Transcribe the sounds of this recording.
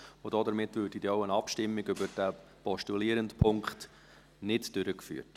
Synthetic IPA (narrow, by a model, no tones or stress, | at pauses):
ʊd̥oːdəɾmɪtvøːɾd̥id̥ɛɔʊənɑpʃtɪmːɪɡʏbəɾd̥æpɔʃtuliːəɾəndpʰʊŋkχt | nɪtd̥ʏɾəkfy̰ːət